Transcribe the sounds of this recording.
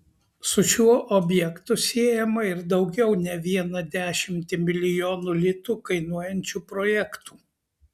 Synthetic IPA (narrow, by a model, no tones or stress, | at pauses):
sʊʃʲuɔʔɔbʲjɛkt̪ʊsʲiɛjɛmɐɪɾd̪ɒʊɡʲɛʊnʲɛʋʲiɛnɐd̪ʲæːʃʲɪmʲt̪ʲɪmʲɪlʲɪjoːnuːlʲɪt̪uːkɐɪnuɔjɛnʲt͡ʃʲuːpɾɔjɛkt̪uː